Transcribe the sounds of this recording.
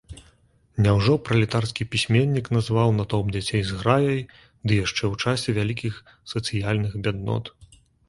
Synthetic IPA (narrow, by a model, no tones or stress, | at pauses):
nʲɛwʐɔpɾɐlʲit̪arskʲipʲisʲmʲenʲːiknɐzvawnat̪ɔp̚d͡zʲat͡sʲejzɣɾajɐj | d̪ɨjaʂt͡ʂɛwt͡ʂasʲɛvʲalʲikʲix | sɐt̪sɨjalʲnɨxbʲad̪nɔ̰t̪